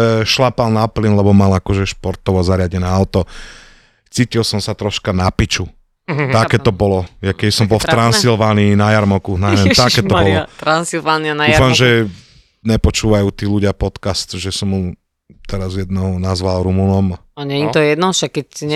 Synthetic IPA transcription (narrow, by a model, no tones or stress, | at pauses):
ʃlapalnaplinlɛbɔmalakɔʒɛʃpɔɾt̪ɔʋɔzaɾɪaɟɛnɛːaʊt̪ɔ | t͡siːcilsɔmsat̪ɾɔʃkanapit͡ʃu | t̪akɛt̪ɔbɔlɔjakɛbisɔmbɔlftt̪ɾansilʋaːniːnajaɾmɔkunaɛɛt̪akɛːt̪ɔbɔlɔt̪ɾansilʋaːnianaufamʒɛ | ɲɛpɔt͡ʃuːʋajuːt̪iːluɟɪapɔt̪kast̪ʒɛsɔmju | t̪ɛɾazjɛd̪nɛɔnazʋalɾumunɔmaɲɛɲit̪ɔjɛd̪nɔʃakːɛtiɲɛ